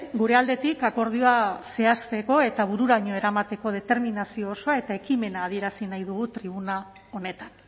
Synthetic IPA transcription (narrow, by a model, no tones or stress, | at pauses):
ɡuɾe̞ald̪e̞t̪ikako̞ɾð̞ioase̞ast̪e̞ko̞e̞t̪aβ̞uɾuɾaɲo̞e̞ɾamat̪e̞ko̞ð̞e̞t̪e̞ɾminasio̞ːso̞ae̞t̪ae̞kime̞naːð̞ie̞ɾasinajðuɣ̞ut̪ɾiβ̞una | o̞ne̞t̪ḁn